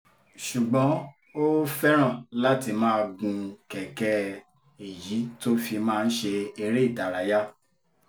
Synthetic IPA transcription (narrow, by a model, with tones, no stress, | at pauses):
ʃu˨ɡ͡bɔ̃˨˦ | o˦fɛ˦ɾ̃ã˦˨la˦ti˧mãː˦˧ɡũ˧kɛ˨kɛ˦ | e˨ji˨˦to˦fi˧mãː˦˧n̩˦ʃe˧e˧ɾe˦˨da˨ɾa˨˦ja˦